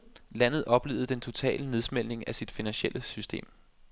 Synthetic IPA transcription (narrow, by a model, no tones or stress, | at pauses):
læn̰ð̞̩ˠʔɒ̽b̥le̝̰ːʊð̞̩ˠd̥ent͡sʰo̝t͡sʰɛ̰ːləne̝ð̞ˠsmel̰ne̝ŋæsid̥finænɕelʔəsysd̥e̝̰ːm